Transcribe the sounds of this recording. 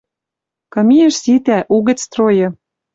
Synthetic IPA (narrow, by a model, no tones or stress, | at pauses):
kɤ̆miĕʃsit̪æʔuɣə̆t͡st̪rojɤ̆